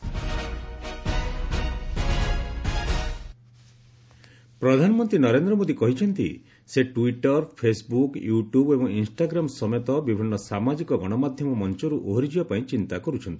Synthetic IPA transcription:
pɾɔd̪ʱanɔmɔnt̪ɾinɔɾend̪ɾɔmod̪ikɔɦit͡ʃʰɔnt̪ḭ | seʈuwiʈɔɾpʰesbukjuʈubebɔŋinsʈaɡɾamɔsɔmet̪ɔbibʱinːɔsamad͡ʒikɔɡɔɽ̃ɔmad̪ʱjɔmɔmɔnt͡ʃɔɾuʔoɦɾid͡ʒibɔpaĩt͡ʃint̪akɔɾut͡ʃʰɔnt̪i̥

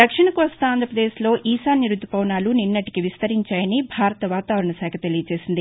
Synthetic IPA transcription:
d̪ɐkʂɐɳɐkuʋɐst̪ɐaːnd̪ʱɾɐpɾɐd̪eːslo̞ːʔiːsaːniɾud̪ːupɐwnaːluninːɐʈi̥kiʋist̪ɐɾiɲt͡ʃaːjɐnibʱaːɾɐt̪ɐʋaːt̪aːʋɐɾɐɳɐsɛːkʰɐt̪elijɐt͡ʃe̞ːsind̪i

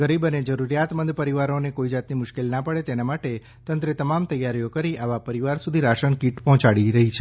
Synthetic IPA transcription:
ɡəɾibəned͡ʒəɾuɾjat̪mənd̪pəɾiʋaɾonekoid͡ʒat̪nimʊʃkelnapəɽet̪enamaʈe | t̪ə̃nt̪ɾet̪əmamt̪əjaɾijokəɾiʔaʋapəɾiʋaɾsud̪ʱiɾaʃənkiʈpɔɦɔ̃t͡ʃaɽiɾəɦit͡ʃʰe

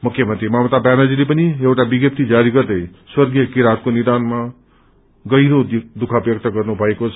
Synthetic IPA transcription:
mukʰːjʌmʌnt̪ɾimamt̪abanad͡zilipʌniewʈabiɡjʌp̚t̪id͡zaɾiɡʌɾd̪ʌjswʌɾɡjʌkiɾat̪̚koniɾd̪anma | ɡʌjɾod̪ukʰabjʌk̚t̪ʌɡʌrnubʱʌekot͡sʰ

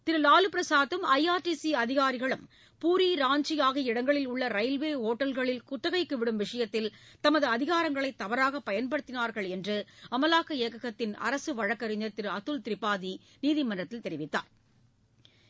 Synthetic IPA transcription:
t̪ɪɾɯlaːlɯpɾɐsaːðɯmɐɪaːɾʈisiɐðɪɣaːɾɪɣɐɭɯm | puːɾiːɾaːɲd͡ʒɪjaːɣɐɪɽɐŋɡɐɭɪlʊɭːɐɾɐɪlʋeːɦoːʈːɐlɣɐɭɪlkʊt̪ːɐɣɐɪkːɯʋɪɽɯmʋɪʂɐjɐt̪ːɪlt̪ɐmɐðɯɐðɪɣaːɾɐŋɡɐɭɐɪt̪ːɐʋɐɾaːɣɐpːɐjɐnpɐɽɯt̪ːɪnaːɾɣɐɭɛndrɯɐmɐlaːkːɐeːkɐɣɐt̪ːɪnɐ̰ɾɐsɯʋɐɻɐkːɐɾɪɲd̪ɐɾt̪ɪɾɯɐt̪ːɯlt̪ɪɾɪpːaːði | niːðɪmɐnːɐt̪ːɪlt̪ɛɾɪʋɪt̪ːa̰ːɾ

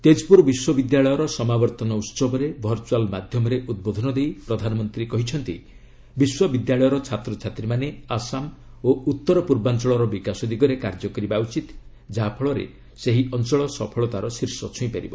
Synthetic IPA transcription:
t̪ed͡ʒpuɾbiswɔbid̪jaɭɔjɔɾɔsɔmabɔɾt̪ɔnɔut̪sɔbɔɾebʱɔɾt͡ʃuwalmad̪ʱjɔmɔɾeʔud̪̚bod̪ʱɔnɔd̪ejpɾɔd̪ʱanɔmɔnt̪ɾikɔɦit͡ʃʰɔnt̪ḭ | biswɔbid̪jaɭɔjɔɾɔt͡ʃʰat̪ɾɔt͡ʃʰat̪ɾimaneasam | out̪ːɔɾɔpuɾbant͡ʃɔɭɔɾɔbikasɔd̪iɡɔɾekaɾd͡ʒɔkɔɾibaut͡ʃit̪ | d͡ʒapʰɔɭɔɾḛ | seɦiɔnt͡ʃɔɭɔsɔpʰɔɭɔt̪aɾɔsiɾsɔt͡ʃʰuĩpaɾḭbɔ

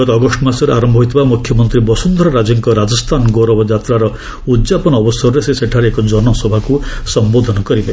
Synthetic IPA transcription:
ɔt̪ɔːɡɔʂʈɔmasɔɾeaɾɔmbʱɔɦijt̪ʰibamukʰjɔmɔnt̪ɾibɔsund̪ʱɾɔɾad͡ʒɔŋkɔɾad͡ʒɔst̪ʰanɡoɾɔbɔd͡ʒat̪ɾaɾɔ | ud̪d͡ʒapɔnɔːbɔsɔɾɔɾeseseʈʰaɾeekɔd͡ʒɔnɔsɔbʱakusɔmbod̪ʱɔnɔkɔɾibe

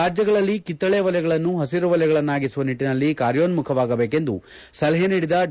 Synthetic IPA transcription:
aːd͡ʒjɐɡɐɭɐlːikit̪ːɐɭeːʋɐljɛɡɐɭɐnːuɦɐsiɾuʋɐljɛɡɐɭɐnːaːɡisuʋɐniʈːinɐlːikaːɾjoːnmukʰɐʋaːɡɐbeːke̞nd̪ṵ | sɐlɐɦeniːɽid̪ɐ

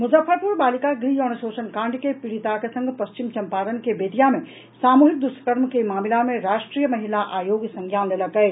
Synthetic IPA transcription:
mud͡ʒəfʰəɾpuɾbalikaɡɾijɔnəsosənkãɳɖkepiɽit̪akesə̃ŋɡʱpəst͡ʃimt͡ʃəmpaɾənkebet̪ijame | samuɦik̚d̪usə̥kəɾmkemamilameɾasʈɾijəməɦilaʔajoɡsə̃ŋɡʱjanleləkɛ

